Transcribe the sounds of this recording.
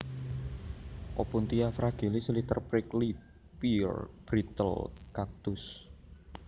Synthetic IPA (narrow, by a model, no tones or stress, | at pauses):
ʔopunt̪iafɾaɡ̥ilisəlit̪ərpɾɪkli | pirb̥ɾit̪ə̰lkak̚t̪ʊs